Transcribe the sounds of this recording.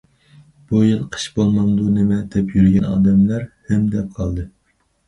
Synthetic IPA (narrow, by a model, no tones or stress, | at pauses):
b̥ujɨlˠqʰə̥ʃbolˠmɑŋd̪unɪmɛd̪̥ɛpʰjyɾɡʲɛnɑ̰ːd̪ɛmlæɾhɛmd̪ɛp̚qʰɑlˠd̪ɨ